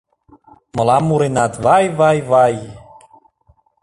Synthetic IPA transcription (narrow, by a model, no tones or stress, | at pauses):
mɤ̆lamuɾenat̪βajvajvaj